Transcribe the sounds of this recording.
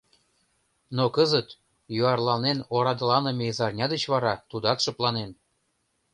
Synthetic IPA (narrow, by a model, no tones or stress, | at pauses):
nokəzət̪ | juɑrlɑnenoɾɑd̪ə̆lɑnə̆mʲejzɑrnʲɑd̪ə̆t͡ɕβɑɾɑt̪ud̪ɑt̪ʃɤ̆plˠɑnen